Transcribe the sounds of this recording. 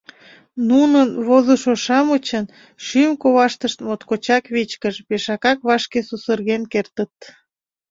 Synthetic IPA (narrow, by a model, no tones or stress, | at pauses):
nunənβozəʃoʃɑmət͡ɕən | ʃymkoβɑʃt̪əʃt̪mot̪kot͡ɕɑkβit͡ɕkəʒbeʃɑkɑkβɑʃkesusərɣenkert̪ət̪